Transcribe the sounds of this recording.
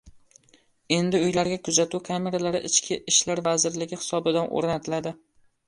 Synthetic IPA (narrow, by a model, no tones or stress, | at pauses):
e̞nd̪ɪʊjlaɾɡʲakʰʊzat̪ʰukʰame̞ɾalaɾɪ̰ʔɪt͡ʃkʲʰɪʔɪʃlaɾvazɪɾlɪɡʲɪhɪ̥sɒbɪd̪anʔo̰ɾnat̪ʰɪlad̪ɪ